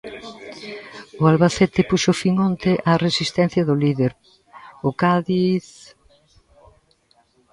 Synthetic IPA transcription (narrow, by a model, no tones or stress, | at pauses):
ʊalβaθet̪ɪpuʃofiŋɔnt̪ɪʔaresist̪ɛn̟θjɐðʊliðeɾ | ʊkaðiθ